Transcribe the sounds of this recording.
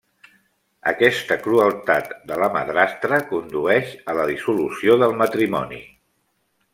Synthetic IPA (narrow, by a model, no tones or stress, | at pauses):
ə̰kɛst̪əkɾuəlˠt̪at̪d̪ələmə̰ðɾast̪ɾəkund̪uɛʃələðisulusioðəlˠmət̪ɾimɔ̰nḭ